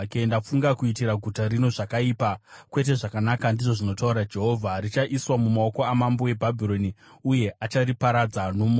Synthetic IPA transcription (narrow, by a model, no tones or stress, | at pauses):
kendafuŋɡakuitiɾaɡʱutaɾino̞ʐakaiːpakwe̞t̬e̞ʐakanakandiʐo̞ʐino̞tauɾad͡ʒe̞ɦo̞vʱarit͡ʃaʔiswamumaoko̞amambo̞we̞bʱabʱiro̞niuje̞ʔat͡ʃaɾipaɾad͡zanom